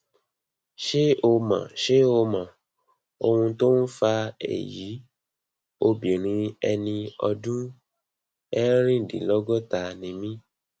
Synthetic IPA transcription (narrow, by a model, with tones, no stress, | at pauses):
ʃe˦o˧mã̰˨ʃe˦o˧mã˨ | o˧wũ˧to˦n̩˦fa˧ḛ˨ji˨˦ | o˧bĩ˨ɾ̃ĩ˧ɛ˧nĩ˧ɔ˧dũ˦ | ɛ˦ɾ̃ĩ˦˨dḭ̃˨˦lɔ˦ɡɔ˦ta˧nĩ˧mĩ˦